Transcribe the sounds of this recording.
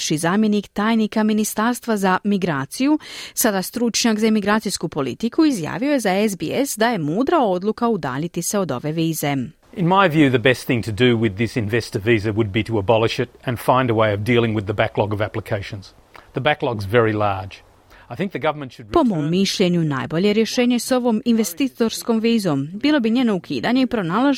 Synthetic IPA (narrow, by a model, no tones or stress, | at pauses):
ʃizaːmje̞nikt̪aːjnikaminist̪aɾst̪ʋazamiɡɾaːt̪sijusad̪ast̪ɾut͡ʃɲakzaemiɡɾaːt̪sijskupo̞lḭt̪ikuizja̰ːʋio̞jezaezbiesd̪aje̞muːd̪ɾao̞d̪lˠukaud̪a̰ːʎit̪ise̞o̞d̪o̞̰ʋe̞ʋiːze̞ | ɨ̃nmaɪvjʉðɨbɛst̪θɪ̃ŋtʰɨdɨwɪðɪsɨ̃nvɛstəvizɨwɨd̚biɾəəbɑlˠɨʃɨɾɨ̃nfãɪ̃ndəweɪʌvdilˠɪ̃ŋwɨðɨbæklɑɡʌvæpləkʰeɪʃɨ̃nz̥ | ðəbæklɑɡzvɛɹilɑɹd͡ʒ | aɪθɪ̃ŋk̚ðɨɡʌvə˞mɨ̃ntʃɨd̚po̞mo̞mːiʃʎe̞ɲuna̰ːjbo̞ʎe̞ɾjeʃe̞ːɲe̞so̞ʋo̞ːminʋe̞st̪it̪o̞ɾsko̞mʋiːzo̞ːmbiːlˠo̞biɲeːnoukʰḭːd̪aɲe̞ipɾo̞naːlˠaʒ